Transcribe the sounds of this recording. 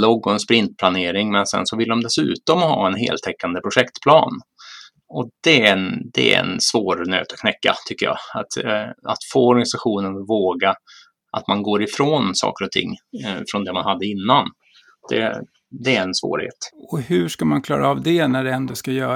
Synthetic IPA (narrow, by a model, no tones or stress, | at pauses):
lɔɡːɔɛnspɾɪnt̪̚pʰlaneːɾɪŋmɛnsɛ̰nsɔvɪld̪ɔmd̪ɛsʉ̟̰ːt̪ɔmhɑ̰ːɛnɦḛːlt̪ʰɛkːand̪əpʰɾʊɧɛkt̪pʰlɑ̰ːn | ɔd̪̥ɛɛnd̪ɛ̰æ̰ɛ̰nsvoːɾnø̰ːt̪ɔkʰnɛkːa̰t̪ʰʏkːəjɑ̰ːat̪a̰t̪foːɔɾɡanɪsaɧuːnənvoːɡa | ʔat̪manɡoːɾɪfɾoːnsɑ̰ːkəɾɔt̪ʰɪ̰ŋːfɾɔnd̪ɛmanhad̪ːəɪnːan | d̪̥ɛ̰ | d̪ɛæɾɛnsvo̰ːɾhḛːt̪ɔhɵʂkamankʰlɑ̰ːɾaːvd̪ɛnæɖɛɛnd̪ɔskajœː